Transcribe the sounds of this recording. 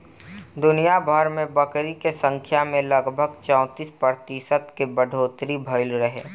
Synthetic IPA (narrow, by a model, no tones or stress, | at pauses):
d̪ʊnijabʱəɾmẽbəkɾikesə̃ŋkʰjamẽləɡbʱəɡt͡ʃɔ̃ʊ̃t̪iːspɾəɾt̪ɪsət̪kebəɖʱoːt̪ɾibʱəɪlɾəɦeː